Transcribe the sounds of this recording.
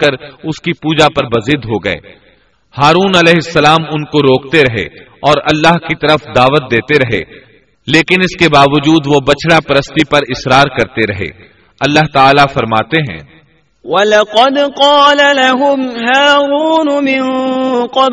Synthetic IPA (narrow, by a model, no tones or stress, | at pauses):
kɐɾʊskipuːd͡ʒapɐɾbɐzɪd̪ɦoɡɐḛː | haːɾuːnɐlɛːɦɪsːɐlaːmʊnkoɾoːk̚t̪eɾɐɦḛ | ɔːɾɐlːaɦkit̪ɐɾəfd̪aːʋət̪̚d̪eːt̪eɾɐɦḛː | leːkɪnɪskebaːʋəd͡ʒuːd̪ʋobɐt͡ʃʰɽapɐɾəst̪ipɐɾɪsɾaːɾkɐɾt̪eɾɐɦḛː | ɐlːaɦt̪aːlafɐɾmaːt̪eɦɛ̰̃ː | wɐlɐqɑd̪qɑːlalaɦʊmɦaːɾuːnʊmɪnqɑ